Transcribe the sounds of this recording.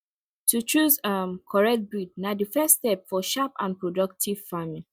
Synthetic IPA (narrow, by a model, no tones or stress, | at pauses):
tʰutɹuzamkʰɔɹɛk̚t̚bid̚nadəfɛstɛpfɔʃapã̰npʰɹɔdʌk̚tʰiv̥famĩ